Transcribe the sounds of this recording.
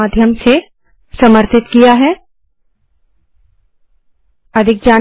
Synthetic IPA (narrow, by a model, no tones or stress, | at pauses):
aːd̪ʱjəmse | səməɾt̪ɪt̪kijaɦɛ | ɐd̪ʱɪk̚d͡ʒaː